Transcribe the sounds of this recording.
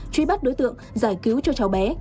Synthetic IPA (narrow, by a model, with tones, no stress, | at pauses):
t͡ɕwi˧ɓa˦˥t̚ɗo˨˦jt̪ɨ̰˧˨əŋzaː˧˩jki˨˦wt͡ɕɔ˧t͡ɕa˨˩wɓɛ˨˦